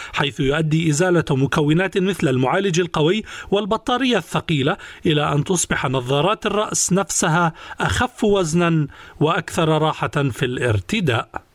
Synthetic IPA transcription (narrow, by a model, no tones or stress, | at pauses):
ħajθʊjʊʔad̪ːiːʔɪzaːlamʊkawːɪnaːt̪mɪθlalmʊʕaːlɪd͡ʒalqɑwɪjːwɪlbɑt̪ˤːɑːɾɪjːaθːɑqiːlaʔɪlaʔant̪ʊsˤbɪħanɑðˤːɑːɾˤɑːt̪ɪrˤːɑʔsnafsaɦaʔaxafːwaznanwɪʔakθɑɾˤɾˤɑːħafilʔɪ̰ɾt̪ɪd̪aːʔ